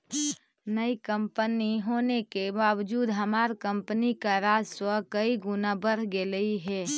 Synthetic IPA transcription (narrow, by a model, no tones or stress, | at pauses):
nəikəmpəniɦoːnekebaːʋd͡ʒuːd̪ɦəmaːɾkəmpnikaɾaːd͡ʒswəkəiɡʊnabəɾ̤ɡeləiɦɛː